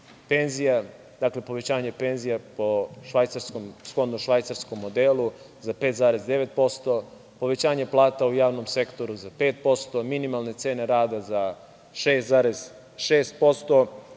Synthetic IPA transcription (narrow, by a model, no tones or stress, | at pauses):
penzija | d̪akle̞po̞ʋe̞t͡ɕaːɲe̞pe̞nzijapoʃʋajt̪saɾskomsxo̞d̪noʃʋajt̪saɾskomːod̪eːlu | zapeːt̪zaːɾe̞zd̪eʋet̪̚po̞st̪o̞ | po̞ʋe̞t͡ɕaːɲeplˠaːt̪aujaːʋno̞mse̞kt̪o̞ɾuzapeːt̪̚po̞st̪o̞minimalˠne̞t̪se̞ːne̞ɾaːd̪aza | ʃeːst̪zaːɾez̥ | ʃeːst̪̚po̞st̪o̞